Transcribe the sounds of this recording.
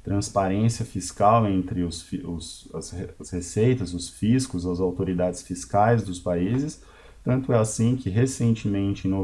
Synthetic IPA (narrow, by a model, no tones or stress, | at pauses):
t̪ɾɐ̃spaɾẽsiɐfiskawẽnt̪ɾɪʊsfiʊsɐsheɐshesejt̪ɐzʊsfiskʊzɐzawt̪oɾid̪ad͡ʒɪsfiskajzd̪ʊspaizɪs | t̪ɐ̃nt̪ʊɛasĩkʰɪɦesẽnt͡ʃɪmẽnt͡ʃɪ̃no